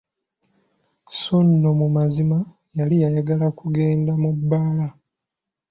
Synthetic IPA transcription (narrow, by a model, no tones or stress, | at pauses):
sonːomumazima | jalijajaɡalakuɡe̞ːndamubːaːla